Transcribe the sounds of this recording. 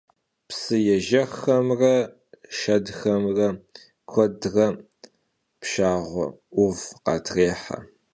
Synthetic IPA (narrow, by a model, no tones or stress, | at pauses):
psɨjɛʒɐxɐmrɐ | ʃɐdxɐmrɐ | kʷʰɔdrɐ | pʃaːʁʷɔ̰ʊvqɑ̰tʰreːħɐ̰